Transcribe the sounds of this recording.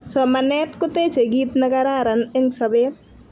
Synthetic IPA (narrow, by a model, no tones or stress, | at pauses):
sɔmɐneːt̪kʊt̪eːt͡ʃʰeɡiːt̪nɐɡɐɾaːɾɐnɪŋsɐbeːt̪̚